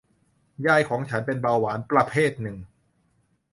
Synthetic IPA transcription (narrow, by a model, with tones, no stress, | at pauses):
jaː˥˩jkʰɔː˩˦ŋt͡ɕʰa˦˥npe˧nbaː˧waː˩˦˥npɾa˧pʰeː˥˩t̪̚nɯ˨˩ŋ